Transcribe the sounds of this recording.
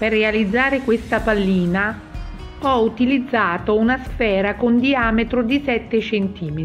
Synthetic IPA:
perːealid̪zːaːɾekwest̪apalːiːna | ɔut̪ilid̪zːaːt̪ounasfɛːɾakond̪iaːmet̪ɾod̪isɛt̪ːet͡ʃent̪iːmei

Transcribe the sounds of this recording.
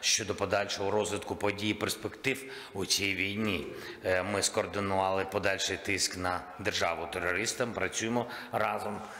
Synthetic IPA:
ʃt͡ʃɔd̪ɔpɔd̪ɑlʲʃɔɦɔɾɔzʋʲɪt̪kʊpɔdʲijiperspekt̪ɪw | usʲijʋʲijnʲi | mɪskɔːrd̪ɪnʊʋɑlˠɪpɔd̪ɑlʲʃɪjt̪ɪsknɐ | d̪erʒɑʋʊt̪eɾɔɾɪst̪ɐmpɾɐt͡sʲujɪmɔ | rɑzɔm

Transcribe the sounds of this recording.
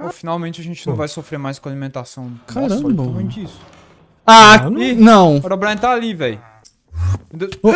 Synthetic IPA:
finawmẽt͡ʃɪɐʒẽnt͡ʃɪnɐ̃vajsofɾeɾmajskõalimẽnt̪asɐ̃w̃kaɾɐ̃bmẽt͡ʃisʊ̥ | ainɐ̃w̃pɔɾobɾɐ̃ẽt̪aalivɛj | d̪e

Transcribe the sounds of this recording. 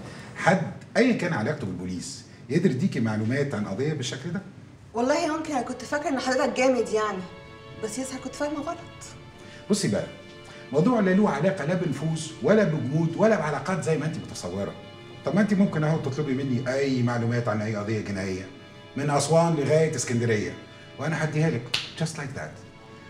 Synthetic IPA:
ħad̪ʔæjːækæːnʕalæːkt̪obelbuliːs | jed̪iɾd̪iːkimaʕluːmæːt̪ʕanʔɑ̰d̪ˤejːɑbeʃːækld̪æ | wɑlˤːɑːhimomkenhækont̪fækːeɾʔenːħad̪ːeːt̪æk̚ɡæːmed̪jaʕni | bæsːjeshækont̪fæhmæbɑɾˤɑt̪ˤ | bosˤːibæʔæ | mɑwd̪ˤuːʕlːæluːwæʕalæːqælæbenofuːzwælːæbeɡuːd̪wælːæbʕalɑːqɑːt̪zæjːmæʔent̪imot̪ɑsˤɑwːeɾˤɑ̰ | t̪ˤɑbʔent̪imomkenʔæhæwt̪et̪ˤlobimenːiʔæjːmaʕluːmæːt̪ʕanʔæjːʔɑd̪ejːæɡenæʕejːæ | menʔɑsˤwɑːnleɣæːjet̪ɪskænd̪æɾejːæ̰ | weʔænæħad̪ːihæːlækd͡ʒɑst̪lajk̚d̪æ̰t̪

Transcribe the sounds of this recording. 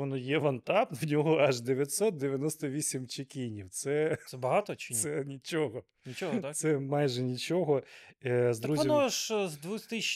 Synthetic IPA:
ɔnɔjɛʋɐnt̪ɑpnwnʲɔɦɔɐʒd̪eʋʲjɐt̪sɔt̪̚d̪eʋʲjɐnɔst̪ɔʋʲisʲimt͡ʃɪkʲinʲiwt̪sɛɛbɐɦɑt̪ɔt͡ʃɪsɛnʲit͡ʃɔɦɔ | nʲit͡ʃɔɦ̪sɛmɑjʒɛnʲit͡ʃɔɦɔ | zd̪ɾuzʲɐmɔʃzd̪ʋut̪ɪʃ

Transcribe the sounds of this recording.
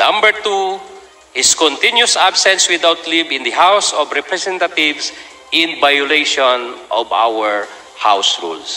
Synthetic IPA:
nɐ̃mbɛɹt̪u | hɪskɔ̃nt̪ɪ̃njusabsɛ̃nswɪd̪awt̪livɪ̃nd̪ɐɦawsɔbɹɛpɾɛsɛ̃nt̪at̪ɪvs | ʔɪ̃nvajʊlejʃɔ̃nʔɔva̰wɛɹ | ha̰wsɹṵls

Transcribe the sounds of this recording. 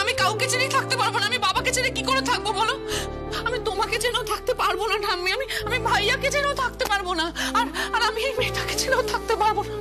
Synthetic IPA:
amikawket͡ɕeɾejt̪ʰak̚t̪epaɾbonaamibabaket͡ɕeɾekikoɾet̪ʰak̚bobɔlo | amit̪omaked͡ʑeneot̪ʰak̚t̪epaɾbonaʈanmiamiamibʱajaked͡ʑeneot̪ʰakt̪epaɾbonaaɾaɾamiejmeʈaked͡ʑeneot̪ʰak̚t̪epaɾbona

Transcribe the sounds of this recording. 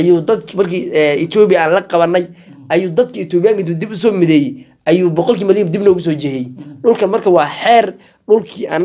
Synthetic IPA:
ʔɐjuːd̪ɐd̪kʰmɐrkʰiːɪt̪ʰɔːbɪjaːnlɐqɑβɐnːɛj | ʔɐjuːd̪ɐd̪kʰɐɪt̪ʰɔːβɪjaːŋkɐt̪̬uːd̪ɪbʊsɔːmɪðɛːjɛ | ʔɐjuːbɔqɔlkiːmɐliːd̪ɪbnɔːɣʊs̬ɔːt͡ʃɛhɛjɛɗʊlkʰɐnmɐrkʰɐwɑːħɛːr | ɖʊlkʰiːʔɐ̰ːn

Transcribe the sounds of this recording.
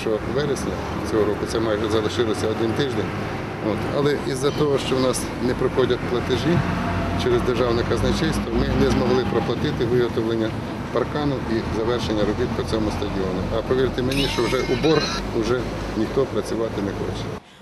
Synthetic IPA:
t͡ʃɔʋɛɾesʲnʲɐ | t͡sʲɔɦɔɾɔkʊt̪sɛmɑjɛʒɛzɐʃɪlˠɔsʲɐɔd̪ɪnt̪ɪʒd̪enʲ | o̰t̪ɐ̰lˠɛʔizːɐt̪ɔɦɔʃt͡ʃɔwnɑs | nɛpɾɪxɔdʲɐt̪̚ʲplˠɐt̪ɪʒit͡ʃɛɾezd̪erʒɑwnɪkɐznɐt͡ʃɪjʲst̪ʋɐmɪnɛzmɔɦlˠɪpɾɔplˠɐt̪ɪt̪ɪʋɪɦɔt̪ɔʋlˠenʲːɐ | pɐrkɑnʊizɐʋɛrʃenʲːɐɾʊbʲiw̪pɔt͡sʲɔmʊst̪ɐdʲiɔnʊʔɐpɔʋʲirt̪ɪmenʲiʃt͡ʃɔwʒɛʔʊbɔr | ʊʒɛ | nʲixt̪ɔpɾɐt͡sʲʊʋɑt̪ɪnɛxɔ̰t͡ʃɛ̥

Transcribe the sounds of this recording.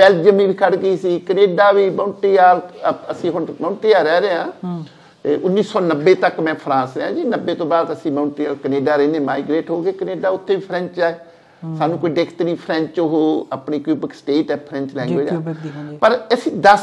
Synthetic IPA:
bɛːld͡ʒəmiːbiːkʰəɽɡiːsiːkəneːɖaːʋiːməːʊɳʈiːaːləsĩːɦʊnmə̃ːʊ̃ɳʈiːaːɾɛːɾeːãː | t̪eːʔʊnːiːsɔːnəbːeːt̪əkmɛ̃ːpʰɾãːsɾɛːãːd͡ʒiːnəbːeːt̪õːbaːd̪əsĩːmə̃ːʊɳʈiːaːkəneːɖaːɾẽːneːmaːiɡɾeːʈɦoːɡeːkəneːɖaːʊt̪ʰːeːʋiːpʰɾɛ̃ɲt͡ʃaːeː | saːnũːkoːiːɖekʰt̪niːpʰɾɛ̃ɲt͡ʃoɦoːəpɳiːkjuːbəksʈeːʈɛːpʰɾɛ̃ɲt͡ʃlɛ̃ːɡoːd͡ʒaːpəɾəsĩːd̪əs

